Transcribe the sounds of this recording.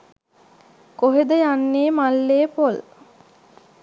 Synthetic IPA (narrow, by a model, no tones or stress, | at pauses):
koɦed̪əjanːeːmalːeːpol